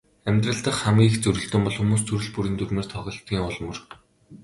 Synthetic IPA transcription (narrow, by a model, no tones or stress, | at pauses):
æmʲt̪rə̆ɬt̪ə̆χχamɡʲiːxt͡sɵɾɵ̆ɬt̪ɵ̆mpɔɮxumuːs̬t͡sʰɵɾɵ̆ɮpuɾiːnt̪ʰɵrmeːrt̪ʰɔʁɞ̆ɬt̪ɡʲiːŋʊɮmɵ̆r